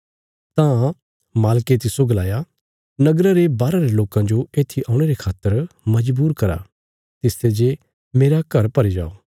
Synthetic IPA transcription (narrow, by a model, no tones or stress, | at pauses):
t̪ã | maːlket̪̬ɪsoɡɐlaːja | nɐɡɾaɾebaːɾaɾeloːkãd͡ʒoeːt̪ʰiʔaːʊ̃ɽ̃eɾekʰaːt̪ːəɾmɐd͡ʒbuːɾkɐɾa̰ | t̪ɪst̪ed͡ʒe | meːɾakɐɾpɐɾid͡ʒa̰ːoː